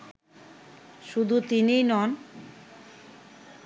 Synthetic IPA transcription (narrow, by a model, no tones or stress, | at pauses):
ʃud̪ʱut̪inijnɔn